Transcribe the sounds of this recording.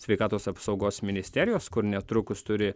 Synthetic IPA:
sʲʋʲɛɪkɑːt̪oːsɐpsɒʊɡoːsmʲɪnʲɪsʲt̪ʲɛɾʲɪjoːskʊɾnʲɛt̪ɾʊkʊst̪ʊɾʲɪ

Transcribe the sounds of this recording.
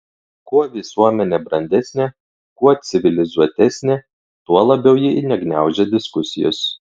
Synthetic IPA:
kuɔʋʲɪsuɔmʲɛnʲebɾɐnʲd̪ʲɛsʲnʲeː | kuɔsʲɪʋʲɪlʲɪzuɔt̪ʲɛsʲnʲeː | t̪uɔlˠɐbʲɛʊjɪnʲɛɡnʲæˑʊʒʲɛd̪ʲɪskʊsʲɪ̰jʊ̰s

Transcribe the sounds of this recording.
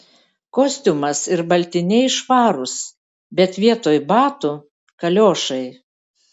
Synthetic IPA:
koːsʲt̪ʲʊmɐsɪɾbɐlʲt̪ʲɪnʲɛɪʃʋɑːɾʊs | bʲɛt̪ʋʲiɛt̪oːjbɑːt̪ʊ | kɐlʲoːʃɐɪ

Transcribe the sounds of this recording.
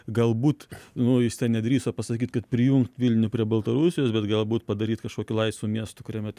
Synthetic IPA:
ɡɐlˠbuːt̪nʊjɪst̪ʲɛnnʲɛd̪ʲɾʲiːsɐpɐsɐkʲiːt̪kɐt̪̚pʲɾʲɪjʊŋkt̪ʋʲɪlʲnnʲʊpʲɾʲiɛbɐlˠt̪ɐɾusʲɪjoːsbʲɛt̪ɡɐlˠbuːt̪̚pɐd̪ɐɾʲiːt̪kɐʃkoɔkʲʊlˠɐɪt̪sʋuːmʲiɛst̪ʊkʊɾʲɛmʲɛ

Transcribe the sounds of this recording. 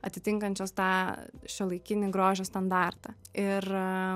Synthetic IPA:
ɐt̪ʲɪt̪ʲɪŋkɐnʲt͡ʃʲoːst̪ɑːʃʲolˠɐɪkʲɪnʲɪɡɾoːʒʲoːst̪ɐnd̪ɑːrt̪ɑɪr

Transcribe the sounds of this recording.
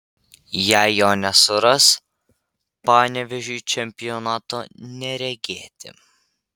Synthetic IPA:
jæɪjoːnʲɛsʊɾɐs | pɑːnʲɛʋʲɛʒʲut͡ʃʲɛmʲpʲɪjɔnɑːt̪oːnʲɛɾʲɛɡʲeːt̪ʲɪ̰

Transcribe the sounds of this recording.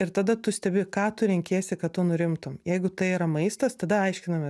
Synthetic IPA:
ɪɾt̪ɑd̪ɐt̪ʊsʲt̪ʲɛbʲɪkɑːt̪ʊɾʲɛŋʲkʲeːsʲɪkɐttːʊnʊɾʲɪmt̪ʊmjɛɪɡʊt̪ɐɪiːɾɐmɐɪst̪ɐst̪ɐd̪ɐɐɪʃʲkʲɪnɐmʲɛ

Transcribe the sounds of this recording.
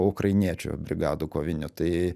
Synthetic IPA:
ʊkrɐɪnʲiɛt͡ʃʲʊ̰bʲɾʲɪɡɑːd̪ʊkoːʋʲɪnʲʊt̪ɐɪ

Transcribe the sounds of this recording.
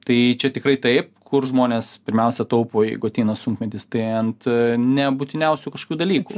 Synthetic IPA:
t̪ɐɪt͡ʃʲɛt̪ʲɪkɾɐɪt̪ɐɪp̚kʰʊrʒmoːnʲeːspʲɪɾʲmʲɛʊsʲɛt̪ɐʊpoːjɛɪɡʊɐt̪ʲeɪnɐsʊŋkmʲɛt̪ʲɪst̪ɐɪɐnt̪nʲɛbut̪ʲɪnʲɛʊsʲuːkɐʃko̥kʲuːd̪ɐlʲiːkṵː

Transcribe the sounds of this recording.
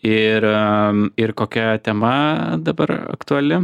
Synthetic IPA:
ɪɾ | ɪrkoːkʲɛt̪ʲɛmɐd̪ɐbɐɾɐ̰kt̪ʊɐlʲɪ

